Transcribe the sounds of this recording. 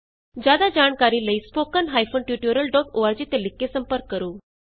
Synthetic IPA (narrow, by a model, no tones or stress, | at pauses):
d͡ʑad̪ad͡ʑaɳkaɾiːləispokənɦajfonʈjuʈjoɾəlɖɔkoʋaɾt͡ɕiːt̪elikːesəmpəɾkːəɾuː